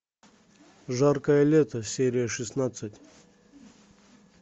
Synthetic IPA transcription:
ʐarkəjəlʲet̪əsʲeɾʲɪjəʂɨsnat̪sɨtʲ

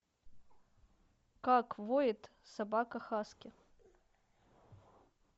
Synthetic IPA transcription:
kakvojɪt̪ | sɐbakɐxaskʲɪ

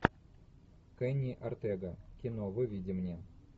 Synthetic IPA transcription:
kɛnʲiʔɐrt̪ɛɡɐkʲinovɨvʲidʲimnʲe

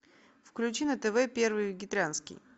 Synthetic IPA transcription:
fklʲʉt͡ɕinət̪ɛvɛpʲe̞rvɨjvʲɪɡʲɪt̪ɾʲanskʲɪ̰j

